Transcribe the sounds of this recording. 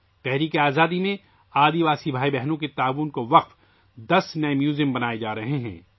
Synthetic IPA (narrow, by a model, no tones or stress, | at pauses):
t̪ɛɦɾiːkeaːzaːd̪imẽ | aːd̪iʋaːsibʱaːibɛɦnõket̪aːʋuːnkoʋɐq̚f | d̪ɐsnɐemjuːzɪ̃mbɐnaːed͡ʒaːɾɐɦeɦɛ̰̃ː